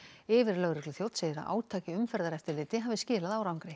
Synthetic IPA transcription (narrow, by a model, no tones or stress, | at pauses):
ɪːvɪɾlœɣɾɛklʏθjowt̪seːjðɪɾa̰ʔa̰ːwt̪ʰaːcɪʏmfɛɾðaɾɛft̪ɪɾlɪːt̪ɪɦaːvɪscɪːlaðawɾawŋkɾɪ